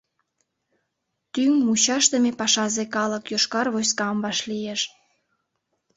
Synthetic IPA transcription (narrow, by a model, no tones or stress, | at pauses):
t̪yŋmut͡ɕɑʃt̪əmepɑʃɑzekɑləkjoʃkɑrβoskɑmbɑʃlijeʃ